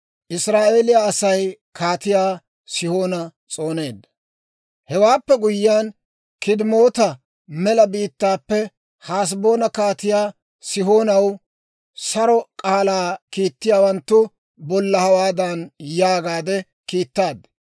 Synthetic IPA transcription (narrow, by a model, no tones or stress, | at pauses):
ʔɪsɾaːʔe̞ːlɪjaːsɐj | kaːt̪ɪjaː | sɪho̞ːnɐ | t͡sʼo̞ːne̞ːd̪ːɐ̥ | hɛwaːpːɛɡʊjːɪaːn | kɪd̪mo̞ːt̪ɐ | mɛlɐbiːt̪ːaːpːɛ | haːs̬bo̞ːnɐkaːt̪ɪjaː | sɪɦo̞ːnɐw | sɐɾɔkʼaːlaːkiːt̪ːɪjaːwɐnt̪ːʊ | bɔlːɐhɐwaːd̪ɐnjaːɡaːd̪ɛ | kiːt̪ːaːd̪